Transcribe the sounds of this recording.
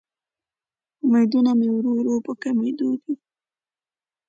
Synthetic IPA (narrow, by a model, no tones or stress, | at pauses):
majd̪unamewɾoɾopəkamejd̪od̪i